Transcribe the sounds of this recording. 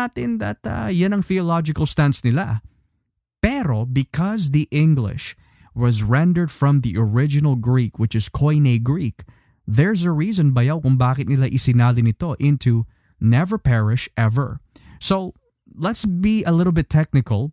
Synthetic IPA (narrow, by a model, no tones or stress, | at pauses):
at̪ɪnd̪ɐt̪a̰janɐŋθiolad͡ʒɪkɐlˠst̪ãntsnɪla̰ | pɛɾobɪkʰɔzðiʔɪ̃ŋɡlɪ̰ʃ | wʌzɹɛ̃nd̪ə˞d̪fɹɔ̃mðiʔɔɹɪd͡ʒɪnɐlˠɡɹikwɪt͡ʃɨz̥kʰoɪneɡɹik | ðɛɹz̬ɐɹiːzɔ̃nbɐjawkʊŋbaːkɪt̪nɪlaʔɪsɪnaːlɪnɪt̪o̞ʔɪ̃nt̪ʰu | nɛvə˞pɛɹɪʃʔɛvə̰˞so | lɛt̪sbiʔɐlɪɾl̩ˠbɪt̪ʰːɛk̚nɪkɐlˠ